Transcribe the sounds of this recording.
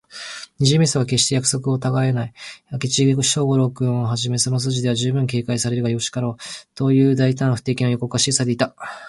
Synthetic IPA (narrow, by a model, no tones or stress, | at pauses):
ɲ̟iʑɨmʲeisoɡake̞ɕi̥t̪e̞jakɯ̟̥so̞kɯ̟o̞t̪aɡae̞naiakʲit͡ɕiɕo̞ːɡo̞ɾo̞kɯ̟̃ɰ̃o̞ɦaʑime̞so̞nos̬ɨːʑid̪e̞βaʑɨːbɯ̟̃ŋk̬e̞ːkaisaɾe̞ɾɯɡajo̞ɕi̥kaɾo̞ːt̪o̞ːjɯ̟ːd̪ait̪ãɰ̃ɸɯ̟̥t̪e̞ːkʲinojo̞ko̞kɯaɕisad̪e̞it̪a